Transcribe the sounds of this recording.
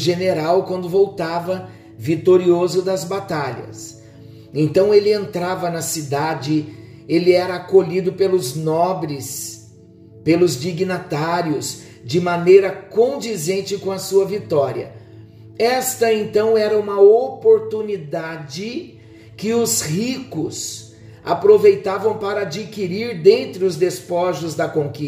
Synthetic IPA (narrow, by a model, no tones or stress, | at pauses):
ʒeneɾawkwɐ̃nd̪ʊvowt̪avɐ | vit̪oɾiozʊd̪ɐzbat̪aʎɐ̰s | ẽnt̪ɐ̃w̃elɪẽnt̪ɾavɐnɐsid̪ad͡ʒɪ | elɪɛɾɐːkoʎid̪ʊpelʊznɔbɾɪs | pelʊzd͡ʒiɡnat̪aɾiʊs | d͡ʒɪmɐnejɾɐkõd͡ʒizẽnt͡ʃɪkõɐsuɐvit̪ɔɾiɐ̰ | ɛst̪ɐẽnt̪ɐ̃w̃ɛɾɐũmɐopoɾt̪unid̪ad͡ʒɪ | kɪʊzhikʊs | a̰pɾovejt̪avɐ̃w̃paɾɐad͡ʒikiɾiɾd̪ẽnt̪ɾɪʊzd̪espɔʒʊzd̪ɐkõki